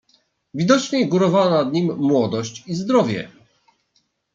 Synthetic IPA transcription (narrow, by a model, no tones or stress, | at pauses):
vʲid̪ɔt͡ʃɲeɡuɾɔvanad̪ɲimːwɔd̪ɔɕt͡ɕizd̪ɾɔvʲjɛ̰